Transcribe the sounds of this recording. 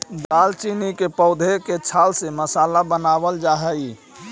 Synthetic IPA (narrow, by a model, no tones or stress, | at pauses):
d̪aːlt͡ʃinikepəʊd̪ʱeket͡ʃʰaːlseməsaːlabənaːwəld͡ʒaɦəi